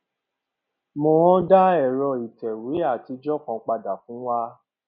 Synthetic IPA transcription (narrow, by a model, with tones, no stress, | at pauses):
mõ˦˨wɔ̃˦da˦ɛ˦˨ɾɔ˧˨i˨tɛ˨we˨˦a˦˨ti˧d͡ʒɔ˦˨kɔ̃˧k͡pa˧da˨fũ˨˦wa˦